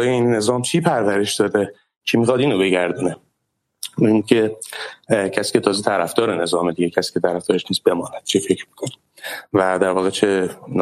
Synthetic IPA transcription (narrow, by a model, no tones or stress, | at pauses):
ɒjeinːe̞zɒːmt͡ʃʰiːpʰæɾvæɾe̞ʃd̪ɒːd̪e | t͡ʃʰimiːxɒd̪iːnobe̞ɟæɾd̪uːne | inicʰe | cʰæsiːce̞t̪ʰɒːzet̪ʰæɾæfd̪ɒːɾene̞zɒːmed̪iːɟecʰæsi̥ːcʰet̪ʰæɾæfd̪ɒːɾeʃniːzbe̞mɒːnæd̪̥̚t͡ʃʰifecɾmi̥kʰoni | væd̪æɾvɒːɣet͡ʃʰen